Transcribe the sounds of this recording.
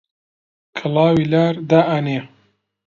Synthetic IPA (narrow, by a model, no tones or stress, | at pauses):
kʰɨlɑːwilaːɾd̪aːʔaneː